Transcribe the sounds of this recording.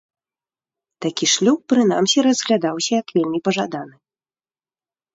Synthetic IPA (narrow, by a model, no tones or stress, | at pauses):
t̪akʲiʂlʲuk̚pɾɨna̰msʲiɾɐzɣlʲad̪awsʲɐjɐkvʲelʲmʲipɐʐad̪an̪ɨ